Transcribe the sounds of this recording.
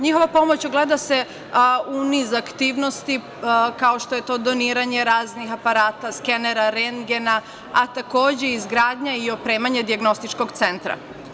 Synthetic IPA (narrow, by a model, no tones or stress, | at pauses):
ɲixo̞ʋapo̞mo̞t͡ɕuɡled̪ase | unizakt̪iːʋno̞st̪i | kao̞ʃt̪oje̞t̪o̞ːd̪oniːɾaɲe̞ɾaːznixapaɾaːt̪askeneɾaɾeŋɡena | at̪ako̞ːd͡ʑe̞izɡɾaːd̪ɲaio̞pɾe̞ːmaɲed̪iaɡno̞st̪it͡ʃko̞ɡt̪se̞nt̪ɾa̰